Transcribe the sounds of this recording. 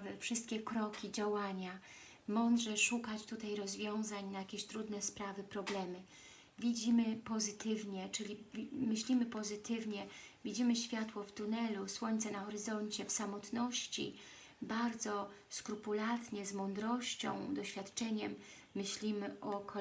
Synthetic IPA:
vfʂɘst̪̚kʲɛkɾɔkʲid͡ʑawaɲa | mɔnd̪ʐɛʂukat͡ɕt̪ut̪ajɾɔzvʲjɔ̃w̃zaɲnajakʲeɕt̪ɾud̪nɛspɾavɘpɾɔblɛmɘ | vʲid͡ʑimɘpɔzɘt̪ɘvɲɛt͡ʂɘlʲimɘɕlʲimɘpɔzɘt̪ɘvɲɛvʲid͡ʑimɘɕfʲjat̪wɔvt̪unɛluswɔɲt̪sɛnaxɔɾɘzɔɲt͡ɕɛfsamɔt̪nɔɕt͡ɕḭ | baɾd̪zɔskɾupulat̪ɲɛzmɔnd̪ɾɔɕt͡ɕɔ̰̃w̃d̪ɔɕfʲjat̪t͡ʂɛɲɛmː | ɘɕlʲimɘʔɔkʰɔ

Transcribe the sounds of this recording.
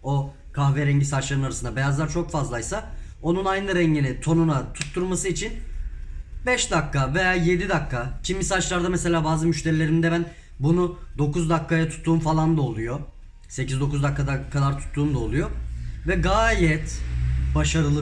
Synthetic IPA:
o̞ | kʰaxvɛɾɛɲɟisat͡ʃlˠaɾɯnaɾasɯnd̪abe̞jazlˠaɾt͡ʃʰokfazlˠajsa | o̞nunajnˠɯɾɛɲɟinit̪ʰo̞nunat̪ʰut̪ʰːuɾmasɯit͡ʃʰin | bɛʃd̪akʰːave̞jaːje̞d̪id̪akʰːacʰimbisat͡ʃlˠaɾd̪amɛse̞lʲaːbaːzɯmyʃt̪ʰe̞ɾilʲe̞ɾimd̪ɛbæn | bunud̪o̞kuzd̪akːajat̪ʰu̥t̪ʰːuːmfalˠand̪aolˠujo | se̞cizd̪o̞kuzd̪akːad̪akʰad̪aɾt̪ʰu̥t̪ʰːuːmd̪aolˠujovɛɡaːjɛt̪baʃaɾɯlˠ

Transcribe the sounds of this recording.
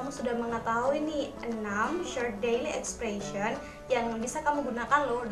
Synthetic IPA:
amusudahməŋət̪aɦuiniʔənamʃɔrt̪̚dejliɛkspɾeʃiɔn | jaŋbisakamuɡunakanlʊ

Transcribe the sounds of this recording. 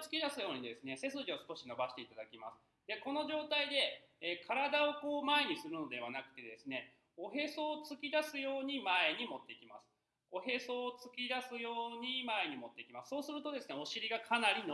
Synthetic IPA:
t͡sɨ̥kʲid̪asɨjo̞ːɲ̟id̪e̞sɨne̞se̞s̬ɨʑio̞sɨ̥ko̞ɕino̞baɕi̥t̪e̞it̪ad̪akʲima̰sɨ̥ | d̪e̞ko̞no̞ʑo̞ːt̪aid̪e̞ː | kʰaɾad̪ao̞ko̞ːmae̞ɲ̟isɨɾɯ̟no̞d̪e̞β̞anakɯ̟̥t̪e̞d̪e̞sɨne̞ | o̞ɦe̞so̞ːt͡sɨkʲid̪asɨjo̞ːɲ̟imae̞ɲ̟imo̞t̪ːe̞ikʲimasɨ̥ | o̞ɦe̞so̞ːt͡sɨ̥kʲid̪asɨjo̞ːɲ̟imae̞ɲ̟imo̞t̪ːe̞ikʲimasɨ̥so̞ːsɨɾɯ̟t̪o̞d̪e̞sɨneo̞ɕiɾʲiɡakʰanaɾʲino

